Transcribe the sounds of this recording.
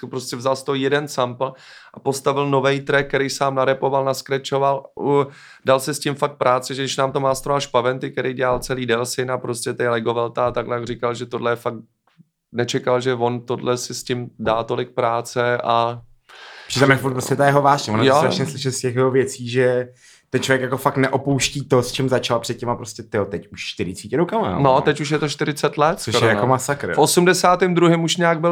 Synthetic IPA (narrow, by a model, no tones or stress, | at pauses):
pɾoscʲɛvzalst̪oɦojɛdɛnsampl̩ | ʔapo̞st̪avɪlno̞vɛjt̪ɾɛk̚kːɛɾɛjsaːmnaɾɛpovalnaskɾɛt͡ʃo̞val | dalsɪscɪmfak̚t̪̚pɾʔaːt͡sɪʒɛdɪʃnaːmt̪omaːst̪ɾovaʃpavɛnt̪ɪkɛɾejɟɛalt͡sɛliːdɛlsɪnapɾo̞scʲɛt̪ɛjlɛɡo̞vɛlt̪aat̪aɡlɛjaɡrɪkalʒɛt̪o̞dlɛjɛfak̚ | nɛt͡ʃɛkalʒɛvo̞nt̪o̞dlɛsɪscɪmdaːt̪o̞lɪk̚pɾaːt͡sɛʔa | r̥it̪amɛfuɾt̪pɾoscɛt̪ajɛɦovaːʒɲɛvonjosɾaʃɲɛslɪʃɛlscɛxjɛovjɛt͡siːʒɛ | t̪ɛnt͡ʃlovjɛkjako̞faknɛʔopowʃciːt̪ost͡ʃɛmzat͡ʃalpr̥ɛt̪̚ɲɛmapɾoscʲɛt̪ɪot̪ɛcuʃʃt̪ɪɾɪt͡siːcɛɾokama̰nott̪ɛcuʃ̬jɛt̪oʃt̪ɪɾɪt͡sɛt̪lɛt̪skoʃoɾɛjankomasakɾfʔo̞sumdɛsaːt̪ɪmd̪ɾuɦɪmuʃɲaːɡ̚bɪl